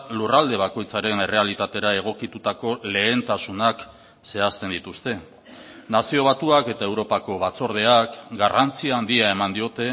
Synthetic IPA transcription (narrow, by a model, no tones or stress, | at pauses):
lurald̪e̞β̞ako̞jt͡saɾe̞ne̞re̞alit̪at̪e̞ɾae̞ɣ̞o̞kit̪ut̪ako̞le̞ːnt̪asunak | se̞ast̪e̞nd̪it̪ust̪e̞ | nasio̞β̞at̪uake̞t̪ae̞wɾo̞pako̞βat͡so̞ɾð̞e̞akɡarant͡siaːnd̪iae̞mand̪io̞t̪e̞